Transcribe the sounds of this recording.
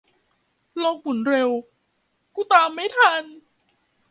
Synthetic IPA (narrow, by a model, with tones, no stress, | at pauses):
loː˦˥k̚mu˩˦nɾe˧w | kuː˥˩t̪aː˧mːa˥˩jt̪ʰa˧n